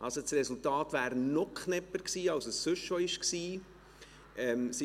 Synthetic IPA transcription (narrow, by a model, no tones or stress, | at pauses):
ʔɑ̰lsot͡srɛsultɑːtʋæːɾnɔkʰχnɛpəɾksiːɑlsəsːʏʃoɪʃksiː | ɛmsi